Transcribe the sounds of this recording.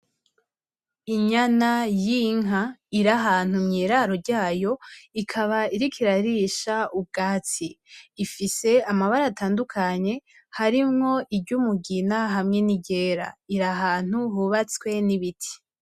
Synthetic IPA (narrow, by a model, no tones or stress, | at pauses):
iɲanajiŋaiɾaɦaːn̥umɲiːɾaɾo̞ɾɟaːjo̞ikʰaβaiɾikʰiɾaɾiʃaub̚ɡaːt͡siːfise̞amaβaɾataːndukʰaɲe̞ | haɾimŋo̞ʔibɟumuɡinaɦamŋe̞niɟe̞ːɾa̰iɾaɦaːn̥huhuβat͡skwe̞niβitʰi̥